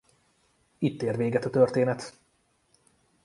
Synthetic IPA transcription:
it̪ːeːrʋeːɡɛt̪ɒt̪ørt̪eːnɛt̪

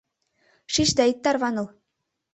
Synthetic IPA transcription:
ʂiɕd̪æit̪ʲːɑrβɑnɤ̆lˠ

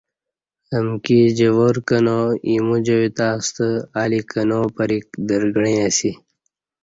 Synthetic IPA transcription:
əmkid͡ʑəʋoɾkɐnoimũd͡ʑɐwit̪aːst̪əaːlikɐnopɐɾik̚d̪əɾɡɳĩɐsi

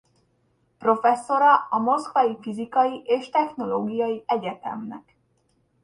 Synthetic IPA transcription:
pro̞fɛsːo̞ɾɒɒmo̞skʋɒjifizikɒjiʔeːʃt̪ɛxno̞loːɡijɒjiɛɟɛt̪ɛ̰mnɛ̰k

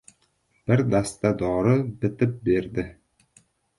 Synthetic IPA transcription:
b̥ɪɾd̪ast̪ad̪ɒɾɤbɪ̆t̪ɪp̚beɾd̪ɪ

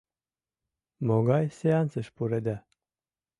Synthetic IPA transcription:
moɡajseant͡səʃpuɾed̪æ

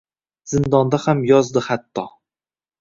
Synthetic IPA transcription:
zɪnd̪ɒnd̪ahamjɒzd̪ɪhat̪ʰːɒ

